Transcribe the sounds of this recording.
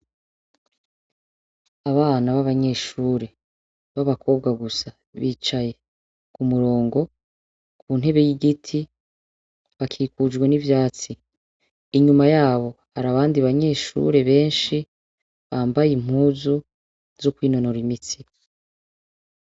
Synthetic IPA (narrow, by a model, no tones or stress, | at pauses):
aβaːnaβaβaɲe̞ːʃuːɾe̞ | βaβakʰo̞ːbɡaɡusa | βiːt͡ʃaje̞ | kumuɾo̞ːŋɡo̞ | kʰuːnɦe̞βe̞jiɡitʰi | βakʰiːkud͡ʒɡwe̞nivjaːt͡siː | ɲumajaːβo̞ | haɾaβaːndiβaɲe̞ːʃṵɾe̞βe̞ːnʃi | βaːmbajim̥uːzu | z̥okwiːno̞no̞ɾimit͡si